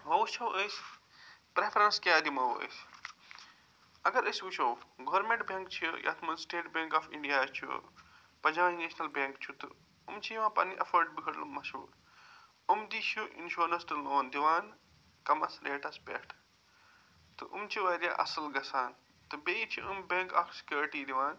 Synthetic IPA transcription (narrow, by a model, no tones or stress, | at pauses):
mɐt͡ʃʰɐwʔəjs | pɾefʰɾɐnskʲaːd̪imɐʋə̰s | ɐɡɐɾəsuʃɐwɡɐʋɐɾmẽɳʈbẽŋkt͡ʃʰijʔa̰t̪ʰmɐnsʈeːʈbʲẽːŋkaːfiɳɖijaːt͡ʃʰṵ | pɐd͡ʒaʋneːʃnɐlbẽŋkt͡ʃʰut̪ɨ̰ | ṵmt͡ʃʰiʋãːpɐ̰nːiʔɐfɐɾɖ̚bikʰɐɽlumɐsṵːɾ | umd̪iːʃuʔḭnʃuːɾɐsʈ̪ɨloːnd̪iʋaːn | kɐmɐsɾeːʈɐspʲḛʈʰ | t̪ɨʔumt͡ʃiʋaːɾja̰ʔɐsɐlɡɐsaːn | t̪ɨbeːit͡ʃʰiʔumbẽŋkaːfsi̥kʲjuːɾʈiːd̪iʋaːn